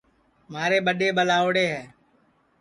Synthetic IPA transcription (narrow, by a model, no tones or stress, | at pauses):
maːɾeːɓəɗeːɓəlaːoɽeːɦɛː